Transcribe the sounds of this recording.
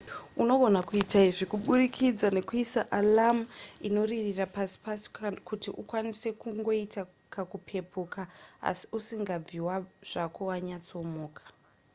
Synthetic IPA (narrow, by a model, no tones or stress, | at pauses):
uno̞ɓo̞nakuitaiʐikuɓuɾikʰid͡zane̞kuisaʔalamuino̞ririrapasi̥pasi̥kutiʔukwanise̞kuŋɡo̞ita | kakupʰe̞pʰukaa̰si̥usiŋɡab͡viwaʐ̥akowaɲat͡so̞moːkḁ